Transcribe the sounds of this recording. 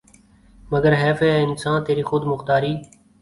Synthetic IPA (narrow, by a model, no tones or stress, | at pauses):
məɡəɾɦɛːfeːeːɪnsãːnt̪eːɾiːxʊd̪mʊxt̪aːɾiː